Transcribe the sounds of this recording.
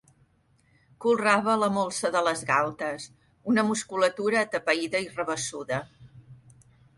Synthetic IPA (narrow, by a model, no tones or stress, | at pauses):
kulˠraβələmolˠsəðələzɣalˠt̪əs | unəmuskulət̪uɾəːt̪əpəiðəirəβ̞əsuðə